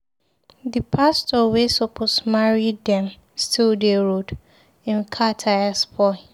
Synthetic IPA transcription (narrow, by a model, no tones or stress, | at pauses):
dipʰastɔlwesopʰosmaɹiddɛ̃m | stʰildeɹod | ɪ̃nkʰatʰajaspʰɔ